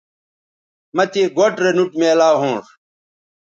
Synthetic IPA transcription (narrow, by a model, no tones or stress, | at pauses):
mɐt̪iɡoʈɾenuʈmeːlaːɦũːʂ